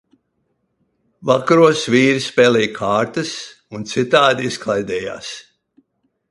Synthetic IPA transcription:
vakaɾuɔsviːɾispɛːlɛjkʰaːɾt̪ɨs | unt̪sit̪aːd̪iisklˠajd̪ɛːja̰ːs

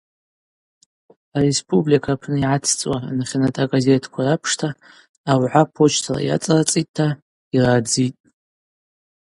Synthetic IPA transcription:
are̞spʰʼublikʰapʰnɨiʕat͡sʰt͡sʼwanχʲnatʰʼaɡaze̞tʰkʷʰarapʰʂtʰaː | wʕʷapʰo̞t͡ʃʰtʰala̰ja̰t͡sʼarat͡sʼit̚ʼtʰːa | irad͡zitʼ

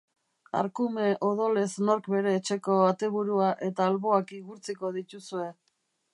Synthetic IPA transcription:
a̰ɾkume̞ʔo̞ð̞o̞le̞sno̞ɾkbe̞ɾe̞ːt͡ʃe̞ko̞at̪e̞βuɾuaʔe̞t̪aːlβo̞akiɣuɾt͡siko̞ð̞it̪usue̞

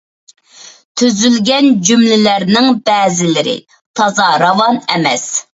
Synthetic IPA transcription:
t̪ʰyzylɡʲɛnd͡ʒymlɪlæɾnɪŋbɛːzɪlɪɾɪ̰ | t̪ʰɑzɑɾɑvɑnɛmɛs

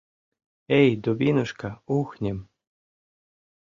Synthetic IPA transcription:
ejd̪oβʲinŏʃkɑuxnʲĕm

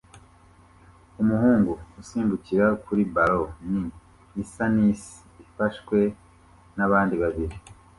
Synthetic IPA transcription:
umuhuːŋɡuusiːnduciɾakuɾibaɾo̞niː | sanisi̥ | ifaʃkwe̞ | naβaːndiβaβiɾi

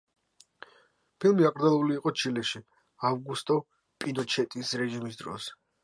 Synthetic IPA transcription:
pʰilˠmiakʼɾd̪zalˠuliːqʼɔt͡ʃʰilɛʃi | avɡust̪ʼɔ | pʼinɔt͡ʃʰɛt̪ʼisɾɛʒimisd̪ɾɔ̰s

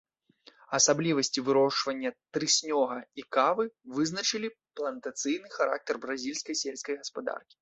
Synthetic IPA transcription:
ɐsablʲivɐsʲt͡sʲivɨɾɔʂvɐnʲːɐt̪ɾɨsʲnʲɔɣɐikavɨvɨznɐt͡ʂɨlʲiplˠɐnt̪at̪sɨjnɨxaɾa̰k̚t̪ɐrbɾazʲilʲskɐjsʲelʲskɐjɣɐspad̪a̰rkʲi̥

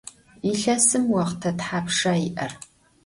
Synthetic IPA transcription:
iɬɐsɨmwɐʁtʰɐtħaːpʂaːiʔɐr

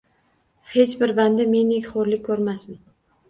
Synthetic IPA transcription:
he̞t͡ʃbɪɾband̪ɪme̞nekʲχoɾlɪk̚ʲkʰːɵɾmasmɪn

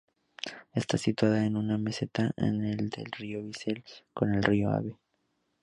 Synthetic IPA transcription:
e̞st̪asit̪waðaenuname̞se̞t̪aʔḛneld̪e̞̰lrio̞βise̞lko̞ne̞lrio̞a̰βe

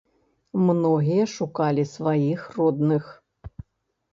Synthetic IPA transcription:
mnɔɣʲijɐʂukalʲisvajixrɔd̪nɨx

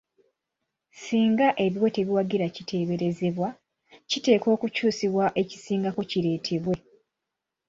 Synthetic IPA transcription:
siːŋɡaʔe̞βiwe̞te̞βiwaɡiɾacitʰe̞ːβe̞ɾe̞ze̞βwa | cite̞ːko̞ːkucuːsiβwaʔe̞ci̥siːŋɡako̞ciɾe̞ːtʰe̞βwe̞

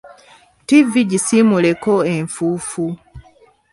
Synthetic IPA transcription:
tiviɟisimule̞ko̞e̞ɱfuːfu

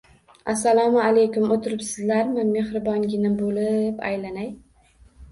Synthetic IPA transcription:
asːalˠɒmalejkʊmot̪ʰɪɾɪpsɪzlaɾmɪme̞hɾɪbɒŋɡʲɪnɪbolɪpa̰jlanaj

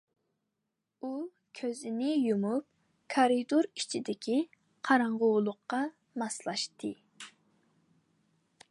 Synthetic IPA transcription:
u | kʲʰøzɪnɪjumup̚ | kʰɑɾid̪oɾit͡ʃʰid̪ɪkʲʰi | qʰɑɾɑɴʁʊwlˠʊqːɑ | mɑslˠɑʃt̪ʰɨ

